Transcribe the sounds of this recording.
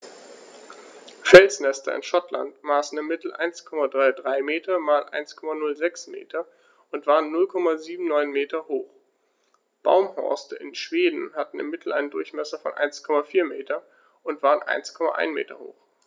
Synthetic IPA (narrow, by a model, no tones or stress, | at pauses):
fɛlsnɛstɐ̰ɪ̰nʃɔtla̰ntmaːsn̩ɪmːɪtl̩ʔa̰ɪnskʰɔmadʁaɪdʁaɪmeːtʰɐmaːlʔa̰ɪnskʰɔmanʊlzɛksmḛːtʰɐ | ʔʊntv̥aːʁənːʊlkʰɔmaziːbm̩nɔʏnmeːtɐhoːχ | b̥a̰ʊmhɔ̰ɐstəʔɪnʃv̥eːdn̩hatn̩ɪ̰mːɪtʰl̩ʔa̰ɪnəndʊɐçmɛsɐfɔ̰nʔa̰ɪnskʰɔmafiːɐmeːtɐ | ʊntv̥aːʁənʔa̰ɪnskʰɔma̰ʔa̰ɪnmḛːtɐ̰ho̰ːx